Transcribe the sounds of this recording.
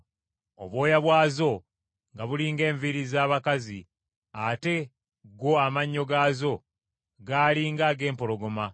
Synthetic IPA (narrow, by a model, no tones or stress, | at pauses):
o̰βwo̞ːjaβwaːzo̞ | ŋɡaβuliːŋɡe̞ːɱviɾizaːβakazi | ate̞ | ɡo̞amaɲːo̞ɡaːzo̞ | ɡaːliːŋɡaːɡe̞ːmpo̞lo̞ɡo̞ma